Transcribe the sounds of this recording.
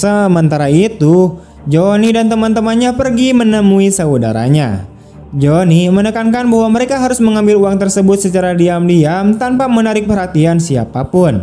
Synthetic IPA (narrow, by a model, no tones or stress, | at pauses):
səmənt̪aɾait̪u | d͡ʒonidant̪əmant̪əmanɲapərɡimənəmuisəuda̰ɾa̰ɲa̰ | d͡ʒonimənəkankanbaɦwaməɾekaɦaɾʊsməŋambɪluaŋt̪ərsəbʊt̪̚sət͡ʃaɾadiamdiamt̪anpamənaɾɪk̚pərɦat̪iansia̰papʊn